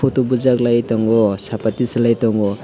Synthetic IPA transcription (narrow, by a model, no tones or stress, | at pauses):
ɔtubuzaklajtɔŋɡɔsapatisalajtɔŋɡɔ